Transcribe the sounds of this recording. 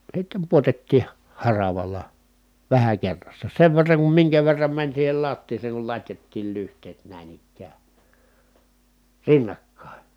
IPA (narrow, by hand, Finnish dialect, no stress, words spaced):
sitːem puotetːiː hɑ hɑrɑʋɑlɑ ʋæhæ kerːɑsːɑ seʋ ʋerːɑŋ kum miŋkæ ʋerːɑm mænʲ siːhel lɑtːiːseːŋ kul lɑtʲjɑtːiːl lyhtˑeːt næˑin ikːæː rinːɑkːɑˑe